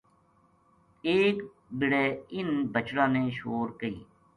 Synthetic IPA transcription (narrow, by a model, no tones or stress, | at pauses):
eːk | bɪɽeːɪnbət͡ʃɽãːnẽːʃoːɾkəḭː